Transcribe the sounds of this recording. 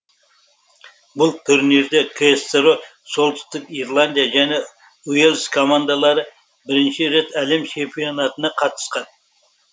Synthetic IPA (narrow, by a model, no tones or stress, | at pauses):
bʊlˠt̪ʰʊɾniɾd̪e̞kʰest̪ɾo | so̞lˠd̪ɪ̥st̪ɪkiɾlˠand̪ʲijaʒæne̞ | uelskʰo̞mand̪alˠɑɾə | bɪɾɪnʃɪɾe̞t̪æle̞mt͡ʃʰe̞mpijo̞nɑt̪ənɑqʰɑt̪ə̥sqɑn